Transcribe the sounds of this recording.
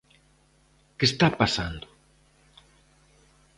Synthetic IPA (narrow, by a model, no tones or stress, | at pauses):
kest̪apasand̪ʊ